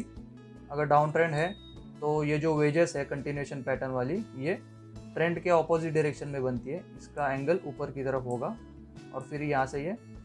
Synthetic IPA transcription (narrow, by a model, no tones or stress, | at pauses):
iːk | ɐɡəɾɖaːʊ̃nʈɾɛ̃ːɳɖɦɛ | t̪ojed͡ʒoːʋeːd͡ʒesɦɛkɐ̃ɳʈinueːʃənpɛːʈənʋaːlije | ʈɾɛ̃ɳɖkeɔːpoːzɪʈ̚ɖɪɾeːkʃənmẽbɐnt̪iɦɛɪskaɛ̃ːŋɡəluːpəɾkit̪ɐɾəfɦoːɡa | ɔːɾfɪɾjɐɦãseje